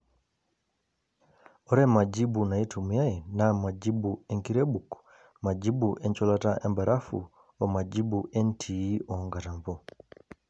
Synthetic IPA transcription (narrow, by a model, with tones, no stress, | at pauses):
ɔɾɛ˦ma˨d͡ʒi˦buna˨i˦tumu˨ja˦jɛ˨nama˨ɟi˦buɛŋki˦ɾɛ˦buku̥ | ma˨d͡ʒi˦buʔɛ˦ɲt͡ʃɔlata˦ʔɛ˦mbaɾʔa˦fṵ | ɔ˨ma˨ɟi˦buʔɛ˦ntʰi˨i˦ɔŋɡa˨ta˨mpɔ